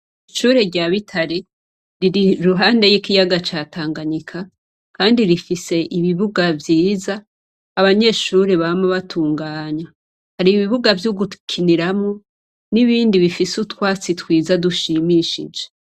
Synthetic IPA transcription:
iʃuːɾeɾɟaβitʰaɾi | ɾiɾiɾuɦaːnde̞jikijaɡat͡ʃaːtaːŋɡaɲikʰa | kaːndiɾifise̞ʔiβiβuɡavjiːzaː | βaɲe̞ʃuːɾeβamoβatʰuːŋɡaːɲa | haɾiβiβuɡavjuɡukʰiniɾamo | niβiːndiβifisutwaːt͡sitwiːzaduʃimiːʃḭd͡ʒe

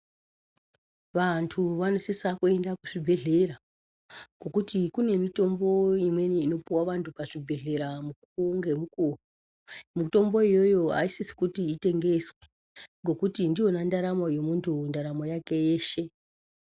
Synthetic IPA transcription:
ʋantʰuʋanosisakue̞ndakuʐibʱe̞ɮe̞ɾa | ɡ̥o̞kutikune̞mito̞mbo̞imwe̞niːno̞piwaʋantʰupaʐibʱe̞ɮe̞ɾamukuŋɡe̞mukuru | muto̞mbo̞ijo̞jo̞ɦa̰isisi̥kutiːte̞ŋɡe̞swe̥ | ŋɡo̞kutindijo̞nandaɾamoje̞muntʰundaɾamojake̞jeːʃe̞

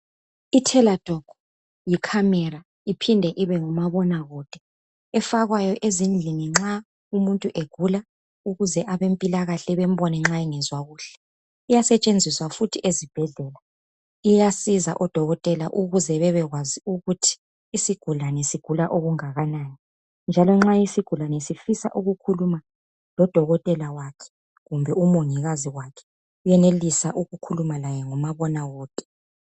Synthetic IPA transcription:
itʰɛlad̥ʱɔɡ̥ʱɔ | jikʰamɛɾa | ipʰindʱɛʔiβɛŋumaβɔnaɣɔd̥ʱɛ | ɛfaɣwajɔʔezind͡ɮʱiniŋ͡ǁa | umuntʼuʔeɡ̥ʱula | uɣuzɛʔaβempʼilaɣaɬɛβem̩βɔnɛŋ͡ǁaiŋɛzwaɣuːɬɛ̥ | ijasɛt͡ʃʼend͡zʱiswafutʰiʔezib̥ʱɛɮɛːla | ijasiza̰ʔɔd̥ʱɔɣɔtʼɛlaʔuɣuzɛβɛβɛɣwaziuɣutʰi̥ː | siɡ̥ʱulanɛsiɡ̥ʱulaʔoɣuŋaɣanaːjɔ | nd͡ʒʱalɔŋ͡ǁajisiɡ̥ʱulanɛsifisa̰ʔuɣukʰuluma | lɔd̥ʱɔɣɔtʼɛlawakʰɛ̥ | ɣumbʱɛumuŋiɣaziwakʰɛ̥ | ujɛnelisaʔuɣukʰulumalajɛŋɔmaβɔnawoːtʼɛ̥

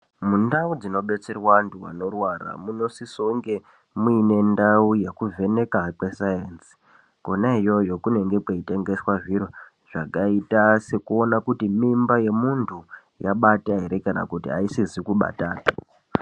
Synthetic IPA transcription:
mundaud͡zino̞ɓe̞t͡serwanduwa̰no̞rwara̰muno̞sisoŋɡe | muine̞ndaujekuve̞ne̞kakwe̞sajensi̥ | ko̞naijo̞jo̞kune̞ŋɡe̞kweite̞ŋɡe̞swaʐiɾo | ʐ̥akaitase̞kuo̞nakutimimbaje̞muntʰu | jaɓataɦe̞ɾe̞kana̰kutia̰isizikuɓa̰taːna

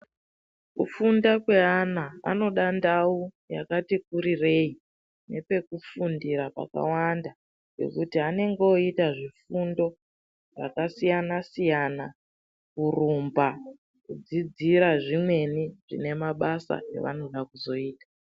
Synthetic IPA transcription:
kufundakwe̞anaa̰no̞ɗandau | jakatik̚uɾire̞i | ne̞pe̞kufundiɾapa̰ka̰wanda | ke̞̰kutiane̞ŋɡeoitaʐifundo̞ | ʐa̰kasijanasijana | kurumba | kud͡zid͡ziɾaʐimwe̞niʐ̥ḭne̞maɓasa̰ḛʋa̰no̞ɗakuzo̞iːtḁ

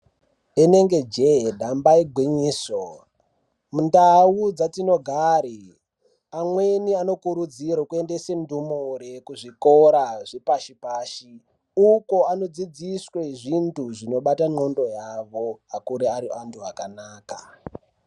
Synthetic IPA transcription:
ene̞ŋɡe̞d͡ʒedʱambaiɡʱwiɲiːso | mundawud͡zatino̞ɡʱaɾi | amweniano̞kuɾud͡zirokue̞ndesendumuɾekuʐikoɾaʐepaʃipaːʃi | uko̞ano̞d͡zid͡zisweʐintuʐino̞ɓatano̞ndo̞jaʋo̞akuɾeaɾiʔantʰuakanaːka̰

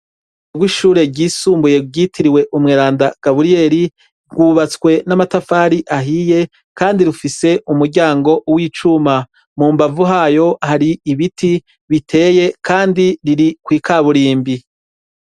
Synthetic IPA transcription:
ɡwiʃuːɾe̞ɟiːsuːmbuje̞ɡɟiːtʰiɾiwe̞ʔumŋeːɾaːndaɡ̥aβuɾije̞ːɾi | ɡuːβat͡skwe̞namatafaːɾiʔaɦije̞ | kaːndiɾufise̞ʔumuɾɟaːŋɡo̞wiːt͡ʃuma | muːmbavuɦaːjo̞haɾiiβiti | βitʰe̞ːje̞kʰaːndiɾiɾikwiːkʰaβuɾiːmbi

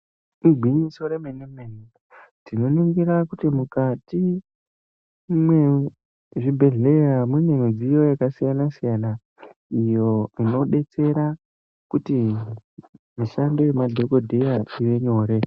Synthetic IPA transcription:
muɡʱwiɲiso̞ɾemenemeni | tino̞niŋɡiɾakutimukati | mwe | ʐibʱe̞ɮe̞jamunemid͡zijo̞jakasijanasijana | ijo̞ino̞ɗe̞t͡se̞ɾa | kuti | miʃando̞jemadʱo̞ko̞dʱejaiʋe̞ɲo̞ːɾe̞

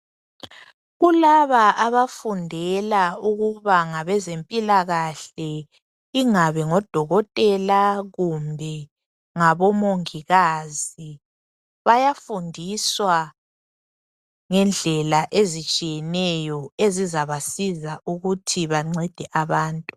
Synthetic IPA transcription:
ɣulaβaʔaβafundʱɛlauɣuβaŋaβɛzempʼilaɣaɬɛ | iŋaβɛŋɔd̥ʱɔɣɔtʼɛlaɣumbʱɛ | ŋaβɔmoŋiɣazi | βajafundʱiswa | ŋɛnd͡ɮʱɛlaʔezit͡ʃʼijɛnɛjɔezizaβasizauɣutʰiβaŋ͡ǀɛd̥ʱɛʔaβaːntʼu

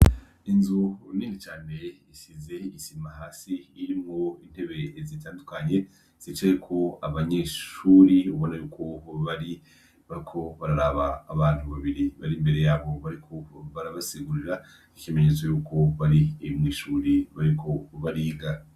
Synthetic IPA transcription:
inzuniːnit͡ʃaːne̞isize̞isimaɦaːsiːɾimŋo̞in̥he̞βe̞zitaːndukaɲe̞ | z̥it͡ʃajekʰo̞aβaɲeʃuɾiuβo̞najuːkʰo̞βaɾi | βaikʰo̞βaɾaɾaβaːβaːn̥uβaβiɾiβaɾimbe̞ɾe̞jaːβo̞βaɾikʰoβaɾaβasiɡuɾiɾa | icieme̞ɲezajuːkʰo̞βaɾiːmŋiːʃuːɾiβaɾikʰo̞βaɾiːɡa

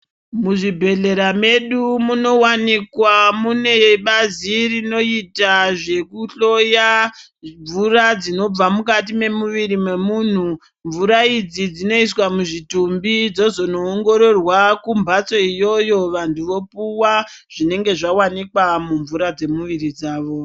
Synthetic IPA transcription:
muʐibʱe̞ɮe̞ɾame̞ɗumuno̞wanikwamune̞ɓazirino̞itaʐe̞kuɬo̞ja | ɱvurad͡zino̞b͡vamukat̬ime̞muʋiɾimwe̞muːn̤u | ɱvuɾaid͡zid͡zino̞iswamuʐitumbid͡zo̞zo̞noːŋɡo̞ɾo̞rwakumbʱat͡so̞ijo̞jo̞ʋantʰuʋo̞puwa | ʐ̥ine̞ŋɡe̞ʐawanikwamuɱvuɾad͡ze̞muʋiɾid͡zaːʋo̞

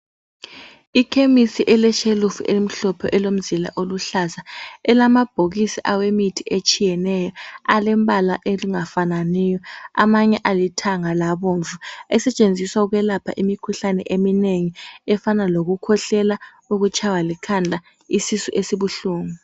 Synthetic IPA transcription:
ikʰemisiʔɛlɛʃelufuʔeim̩ɬɔpʰɔʔɛlom̩zila̰ʔoluɬasaɛlamab̥ʱoɣisiʔawemitʰiʔet͡ʃʼijɛnɛjɔalɛmbʱalaʔeliŋafananɛjɔa̰maɲɛʔalitʰaŋalaβoɱvuɛsɛt͡ʃʼend͡zʱiswauɣwɛlapʰa̰ʔimikʰuɬanɛ̰ʔemineŋiɛfanaloɣukʰɔɬɛla | uɣut͡ʃʰʼawalikʰandʱa | isisuʔesiβuɬuːŋu

